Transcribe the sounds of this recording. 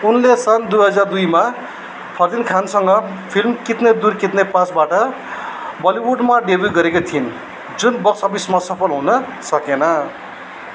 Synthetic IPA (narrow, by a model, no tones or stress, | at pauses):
unlesʌnd̪ujɦʌd͡zard̪ujma | pʰʌrd̪inkʰansʌŋɡʌ | pʰilmkit̪ned̪urkit̪nepãsbaʈʌ | bʌliwuɖmaɖebjuɡʌɾekot̪ʰin | d͡zunbʌksʌbismasʌpʰʌlɦunʌ | sʌkenʌ